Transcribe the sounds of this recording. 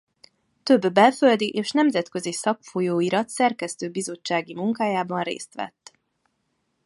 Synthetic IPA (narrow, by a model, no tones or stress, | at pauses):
t̪ø̞bːɛlfø̞ld̪iʔeːʃnɛmzɛt̪kø̞zisɒkfojoːiɾɒt̪sɛrkɛst̪øːbizo̞t͡ʃːaːɡimuŋkaːjaːbɒnrḛːst̪ʋɛ̰t̪ː